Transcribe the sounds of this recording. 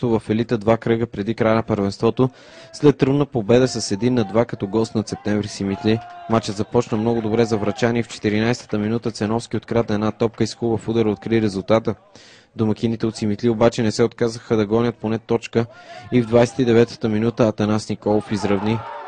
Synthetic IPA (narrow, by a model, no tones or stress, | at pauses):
t̪ovəfɛlit̪əd̪vakɾɤɡəpɾɛd̪ikɾajənɐpəɾvɛnst̪vɔt̪o | slɛt̪ːɾəvnəpobɛd̪əsɐsɛd̪inːɐd̪vakɐt̪ɔɡɔst̪nɐt̪sɛp̚t̪ɛɱvɾisimit̪limat͡ʃəd̪zɐpɔt͡ʃnəmnɔɡʊd̪obɾɛzɐvɾɐt͡ʃaniɛft͡ʃɛ̥t̪iɾinajst̪ə̥t̪əminut̪ət̪sɛnɔfsk̟iot̪̚kɾat̪ɐɛdnat̪ɔp̚kəiskuvəfud̪əɾot̪kɾiɾɛzulˠt̪at̪ə | d̪omɐk̟ʲinit̪ɛot̪simit̪liobat͡ʃɛnɛsɛot̪kazəxəd̪ɐɡɔnʲət̪̚ponɛt̪ɔt͡ʃkəivd̪vajsɛ̥t̪id̪ɛvɛt̪ə̥t̪əminut̪əːt̪ɐnasnikɔlˠofizɾɐvni